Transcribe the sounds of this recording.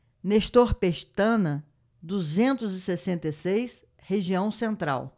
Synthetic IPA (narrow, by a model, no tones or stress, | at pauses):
neʃt̪oɾpeʃt̪ɐ̃nɐ | d̪uzẽnt̪ʊzɪsesẽnt̪esejs | heʒiɐ̃w̃sẽnt̪ɾa̰w